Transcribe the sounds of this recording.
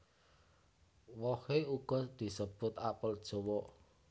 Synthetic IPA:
wɔheuɡ̥ɔd̪̥i̤səb̥ʊt̪apəld̥ʒ̥owɔ

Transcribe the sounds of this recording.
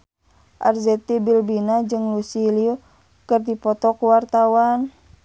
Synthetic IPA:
ʔa̰rzɛt̪ibilbinad͡ʒɨŋlusiliu | kɨrdipɔt̪ɔkuwart̪awan

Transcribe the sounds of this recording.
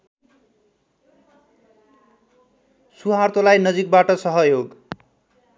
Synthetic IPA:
suɦart̪olajnʌd͡zik̚baʈʌsʌɦʌjoɡ

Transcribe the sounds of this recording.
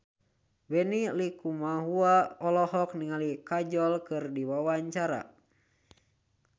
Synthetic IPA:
bɛnilikumaɦuaɔlɔɦɔk̚niŋalikad͡ʒɔlkɨrdiwawaɲt͡ʃaɾa̰

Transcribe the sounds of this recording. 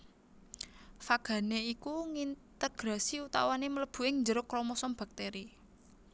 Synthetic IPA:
faɡ̥a̤neikuŋint̪əɡ̥ɾa̤siut̪awanemələb̥ṳɪŋɲd͡ʒəɾʊkɾɔmɔsɔmb̥a̤k̚t̪eɾi

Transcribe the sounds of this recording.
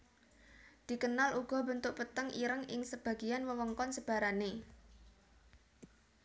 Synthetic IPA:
d̪̥i̤kənalʔuɡ̥ɔ̤bənt̪ʊk̚pət̪əŋiɾəŋɪ̰ŋsəb̥ä̤ɡ̥ianwəwəŋkɔnsəb̥a̤ɾane

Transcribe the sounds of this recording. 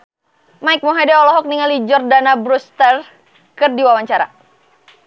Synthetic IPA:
majk̚mɔɦadɛɔlɔɦɔk̚niŋalid͡ʒɔrdanabɾust̪ər | kɨrdiwawaɲt͡ʃaɾa̰

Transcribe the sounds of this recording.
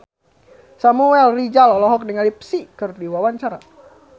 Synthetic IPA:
samuɛlrid͡ʒalɔlɔɦɔk̚dəŋalip̚sikərdiwawaɲt͡ʃaɾa

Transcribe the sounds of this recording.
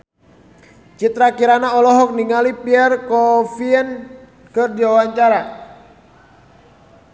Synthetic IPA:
t͡ʃit̪ɾakiɾanaɔlɔɦɔk̚niŋalipiɛrkɔfiɛn | kɨrdiwawaɲt͡ʃaɾa

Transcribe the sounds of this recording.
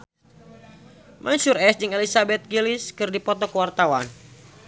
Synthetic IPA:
mʔaɲsurɛsd͡ʒɨŋɛlisabɛt̪̚ɡiliskɨrdipɔt̪ɔkəwart̪awan

